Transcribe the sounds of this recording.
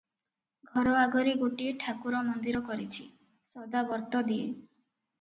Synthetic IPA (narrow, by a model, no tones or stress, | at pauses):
ɡʱɔɾɔaɡɔɾiɡoʈieʈʰakuɾɔmɔnd̪iɾɔkɔɾit͡ʃʰi | sɔd̪abɔɾt̪ɔd̪ie